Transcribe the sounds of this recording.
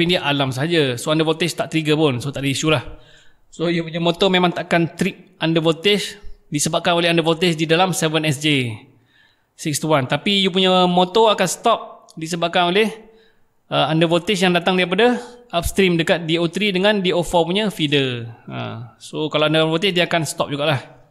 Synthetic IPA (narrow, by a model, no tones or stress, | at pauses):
pindiaʔalamsəɦad͡ʒasoandavot̪ɪst̪aʔt̪əɾiɡəpʊnsot̪aʔdəisulah | sojupuɲəmot̪omemãŋt̪aʔkant̪ɾiʔ̚andəvot̪ɪsdisəbaʔkanolɪɦandavot̪ɪsdidalamsɛvənɛsd͡ʒe | sɪk̚st̪uwant̪apijup̬uɲəmot̪oakansə̥t̪ɔp̚ | disəbaʔ̚kanolɪh | əandəvot̪ɪsjaŋdat̪aŋdaɾip̬adaʔap̚st̪ɾimdəkat̪̚diot̪ɾidəŋandiofɔpuɲəfidəə̰sokalaandəvot̪ɪsdiəakansə̥t̪ɔ̰p̚d͡ʒuɡaʔlah